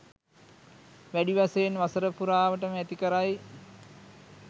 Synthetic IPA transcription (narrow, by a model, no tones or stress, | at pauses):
ʋæɖiʋaseːnʋasəɾəpuɾaːʋəʈ̬əməæt̪ikəɾaj